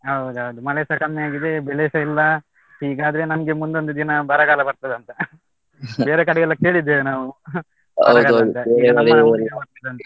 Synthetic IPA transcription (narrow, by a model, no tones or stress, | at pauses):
ɦɐwd̪uɦɐʋud̪umɐlesɐkɐmːeaːɡid̪e̞beɭesɐilːɐ | hiːɡaːd̪ɐɾe̞nɐmɐɡe̞mund̪ond̪ud̪inɐbɐɾɐɡaːlɐbɐɾt̪ɐd̪ɐnt̪ɐ | be̞ːɾekɐɽɛɡɐɭːɐkːe̞ːɭid̪ːeːʋnaːʋu | bɐɐdkaoɐt̪ɐeːeɐlɐbɐɾt̪ɐd̪eɐnt̪ɐ